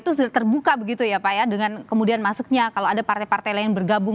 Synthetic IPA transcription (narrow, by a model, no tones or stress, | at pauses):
t̪usudaht̪ərbukabəɡit̪ujapajadəŋankəmudianmasʊk̚ɲakaloadapart̪ajpart̪ajlaɪnbərɡabʊŋ